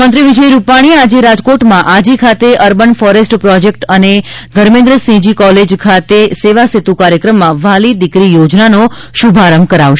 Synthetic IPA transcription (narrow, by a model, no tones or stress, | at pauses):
mə̃nt̪ɾiʋid͡ʒəjɾupaɽ̃iad͡ʒeɾad͡ʒkoʈmãʔad͡ʒikʰat̪eʔəɾbənfɔɾesʈpɾɔd͡ʒek̚ʈəned̪ʱəɾmẽnd̪ɾəsĩd͡ʒikɔled͡ʒkʰat̪eseʋaset̪ukaɾjəkɾəmːãʋalid̪ikɾijod͡ʒnano | ʃubʱaɾəmkəɾaʋʃ